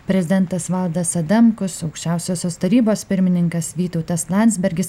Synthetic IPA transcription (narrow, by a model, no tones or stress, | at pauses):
pʲɾʲɛzʲɪd̪ʲɛnt̪ɐsʋɐlˠd̪ɐsɐd̪ɐmkʊsɒʊkʃʲt͡ʃʲæˑʊsʲoːsʲoːst̪ɐɾʲiːboːspʲɪɾʲmʲɪnʲɪŋkɐsʋʲiːt̪oʊt̪ɐslˠɑnʲzʲbʲɛɾʲɡʲɪs